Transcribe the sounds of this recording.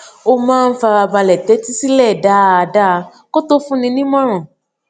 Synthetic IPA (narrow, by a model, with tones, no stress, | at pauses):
o˧mãː˦˧n̩˦fa˧ba˧ba˧lɛ˨tɛ˨˦ti˦si˦lɛ˦˨da˨˦˧a˧da˦˧ | ko˦to˦fũ˦nĩ˧nĩ˦mɔ̃˦ɾ̃ɔ̃˨